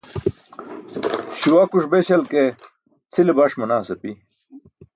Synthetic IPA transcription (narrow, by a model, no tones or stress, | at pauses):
ɕuwɐkuʂbeɕɐlke | t͡sʰilebɐʂmɐnaːsɐpi